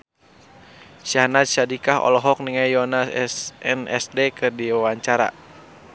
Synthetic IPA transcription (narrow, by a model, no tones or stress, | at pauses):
sianat̪̚sadikahɔ̰lɔɦɔk̚niŋajɔnassɛnɛ̰sdɛkɨrdiwawaɲt͡ʃaɾa̰